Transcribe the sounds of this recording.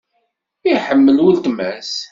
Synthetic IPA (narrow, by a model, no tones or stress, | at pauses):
iħəmːəlwəlt̪mæs